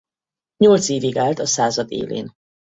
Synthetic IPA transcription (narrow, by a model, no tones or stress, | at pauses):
ɲolt̪seːviɡaːlt̪ɒsaːzɒd̪ḛːlḛːn